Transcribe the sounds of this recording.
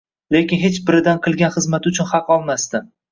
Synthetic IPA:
lekʲɪnɦe̞t͡ʃbɪɾɪd̪anqʰɨlˠɡʲanχɨzmat̪ʊt͡ʃʰʊnhɑqɒlˠmast̪ɪ

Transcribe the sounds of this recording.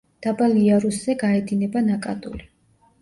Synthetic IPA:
d̪̥abaliaɾusz̥ɛɡaɛd̪inɛbanakʼa̰d̪ʼṵli

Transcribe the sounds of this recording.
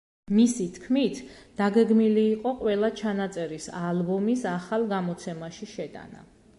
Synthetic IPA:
misit̪ʰkʰmit̪ʰd̪̥aɡɛɡmiliːqʼɔqʼwɛlˠat͡ʃʰanat̪sʼɛɾisalˠbɔmisaχalˠɡamɔt̪sʰɛmaʃiʃɛt̪ʼa̰na̰

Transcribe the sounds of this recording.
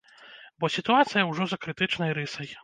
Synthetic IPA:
bɔsʲit̪uat̪sɨjɐwʐɔzɐkɾɨt̪ɨt͡ʂnɐjɾɨsɐj

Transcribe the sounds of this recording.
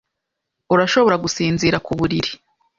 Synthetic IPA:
uɾaʃo̞βo̞ɾaɡusiːnziɾakuβuɾiɾi

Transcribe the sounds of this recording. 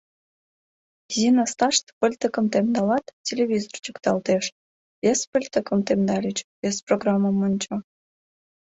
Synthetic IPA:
zinəst̪ɑʃt̪pəlʲt̪əkəmt̪emd̪ɑlɑt̪tʲelʲeβʲizort͡ɕəkt̪ɑlt̪eʃ | vʲespəlʲt̪əkəmt̪emd̪ɑlʲit͡ɕvʲesproɡrɑmːəmənʲt͡ɕo

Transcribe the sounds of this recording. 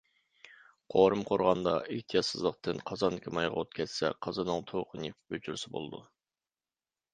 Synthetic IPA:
qʰoɾɨmqʰoɾʁɑnd̪ɑiht̪ʰijɑt̪sɨzlˠəq̚t̪ʰɨnqʰɑzɑnd̪ɪkʲʰimɑjʁɑot̪̚kʲʰɛt̪sɛ̰qʰɑzɨnɨŋt̪ʰoqʰɨnip̚bøt͡ʃʰyɾsɪbo̰lˠɨd̪u

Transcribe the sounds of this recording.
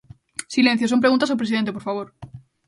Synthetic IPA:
sile̞nθjos̬o̞mpɾeɣũnt̪asopɾe̞siðent̪epo̞ɾfaβ̞oɾ

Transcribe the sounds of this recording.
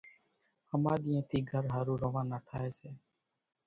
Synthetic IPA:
həmãːɗ̪ɪːẽːt̪iːɡʱəɾɦaːɾũːɾoʋãːnaːʈʰaːeːseː

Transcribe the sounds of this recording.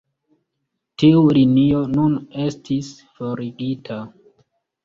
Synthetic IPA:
tiulinio̞nune̞stʰis | fo̞ɾiɡitʰa

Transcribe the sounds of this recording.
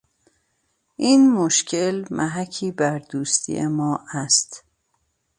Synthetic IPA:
ʔiːnmoʃcʰe̞lmʔæɦæcʰiːbæɾd̪uːst̪ʰḭḛmɒːʔæst̪

